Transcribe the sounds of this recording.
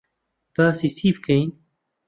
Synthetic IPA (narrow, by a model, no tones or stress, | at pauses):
b̥aːsiːsiːbkʰɐin